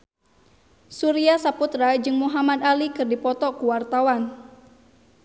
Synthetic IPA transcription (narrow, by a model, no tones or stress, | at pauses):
suɾiasaput̪ɾad͡ʒɨŋmuɦamad̪alikɨrdipɔt̪ɔkuwart̪awan